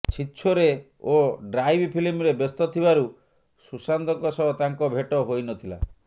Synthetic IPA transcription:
t͡ʃʰitːʃʰɔɾe | oɖɾajbpʰilimɾebest̪ɔt̪ʰibaɾu | susand̪ɔŋkɔsɔɦɔt̪aŋkɔbʱeʈɔɦojnɔt̪ʰila̰

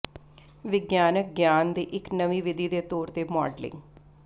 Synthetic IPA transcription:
ʋɪɡjaːnək̚ɡjaːnd̪iːʔɪknəʋiːʋɪd̪ʱiːd̪eːt̪ɔːɾt̪eːmɔ̰ːɖlɪ̰̃ŋɡ

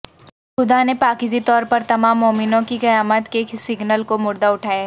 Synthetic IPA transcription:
xʊd̪anepaːkɪd͡ʒit̪ɔːɾpɐɾt̪ɐmaːmːoːmɪnõkikɐjaːmət̪kesɪɡnəlkomʊɾd̪aʊʈʰaːjaɦɛ

